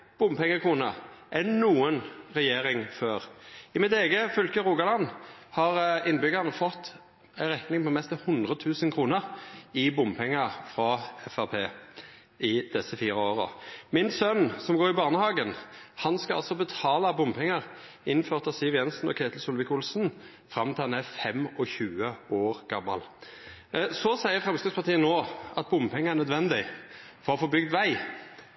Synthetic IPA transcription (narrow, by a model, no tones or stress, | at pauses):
b̥ʊmpɛŋːəkʰuːnɑʔɛnuːənʁɛjeːɾɪŋføːʁɪmɪt̪eːɡəfʏlkəʁuːɡɑlɑnːhɑʁɪnːbʏɡɑʁnəfɔt̪ː | æɪʁɛt̪nɪŋpɔmɛst̪ɑhʊnd̪ʁət̪ʰʉːsənkʰʁuːnəʁɪbʊmpʰɛŋːɑʁfʁɑɛfæʁpʰeː | ɪd̪̥ɛsəfiːʁəoːʁə̰mɪnsœnsɔmɡoːɾɪbɑːʁnəhɑːɡənhɑnskɑɑ̰lsɔbət̪ʰɑːlɑbʊmpʰɛŋəʁ | ɪn̩føːʁt̪ɑʋsɪʋjɛnsn̩ɔ̰kʰeːt̪l̩sʊlʋɪkʊlsn̩ | fʁɑmt̪ʰɪlɑnæfɛmɔçʉːəʔoːʁɡ̥ɑmːɑ̰l | sɔsæɪəfʁɛmskɑspʰɑʁt̪ʰiːənoːʔɑt̪̚bʊmpʰɛŋːəæʁnœd̪ʋɛnd̪ɪ | fɔʁɔfɔbʏɡ̚d̪ʋæɪ